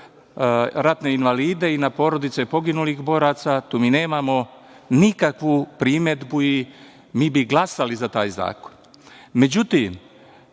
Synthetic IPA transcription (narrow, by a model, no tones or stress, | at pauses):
ɾat̪ne̞inʋaliːd̪e̞inapo̞ːɾo̞d̪it̪sepo̞ɡinulixbo̞ːɾaːt̪sat̪uːmiːne̞ːmamo̞ | nikakʋupɾime̞d̪bui | miːbiɡlˠasalizat̪aːjza̰ːko̥n | me̞d͡ʑut̪im